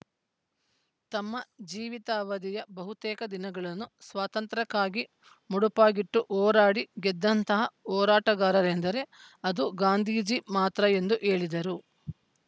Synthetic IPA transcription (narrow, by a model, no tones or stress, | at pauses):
t̪ɐmːɐd͡ʒiːʋit̪aːʋɐd̪ijɐbɐɦut̪ɛːkɐd̪inɐɡɐɭɐnːusʋaːt̪ɐnt̪ɾɐkːaːɡi | muɽupaːɡiʈːuʔɔːɾaːɽiɡɛd̪ːɐnt̪ɐɦɐɔːɾaːʈɐɡaːɾɐɾend̪ɐɾe̞ | ɐd̪uɡaːnd̪ʱiːd͡ʒimaːt̪ɾɐe̞nd̪uʔe̞ːɭid̪ɐɾu